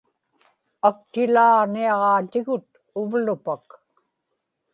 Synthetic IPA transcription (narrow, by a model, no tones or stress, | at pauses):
ak̚t̪ɪlaːʁniɑʁɑːt̪ɪɣʊt̪̚ | ʊvlʊpak